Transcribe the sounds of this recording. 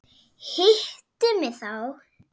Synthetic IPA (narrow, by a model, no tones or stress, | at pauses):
hɪht̪ʏmɪθaw